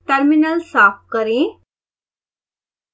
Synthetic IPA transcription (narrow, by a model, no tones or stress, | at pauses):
ʈəɾminəlsaːf̚kəɾĩ